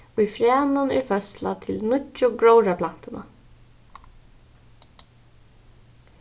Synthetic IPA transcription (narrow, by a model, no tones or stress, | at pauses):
ʊjfɾjaːnʊnɛ̰ɹfœsla̰t̪ʰɪlnʊʊɡɹɔwɹapʰlan̥t̪ɪna̰